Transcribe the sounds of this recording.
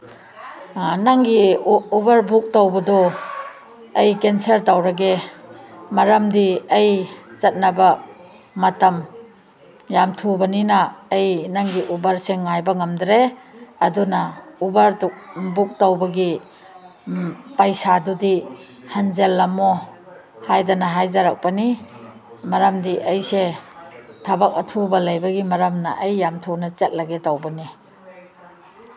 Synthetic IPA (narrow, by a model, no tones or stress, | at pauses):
naŋɡiubɐɾbuk̚tawbɐdɔ | ejkenseɾtawɾaɡe | maɾɐmdiejzɐt̚naba | matɐm | jamtʰubɐninaːjnaŋɡiʔubaɾseŋːajbɐŋamdɾeadunaubaɾduk̚buk̚tawbɐɡi | pajsadudi | hanzelːamɔ | hajdanaɦajzaɾak̚pani | maɾamdiʔejse | tʰabak̚ɐtʰubɐlɐjbɐɡimaɾamna̰ʔejːamtʰunat͡ʃet̚laɡetawbani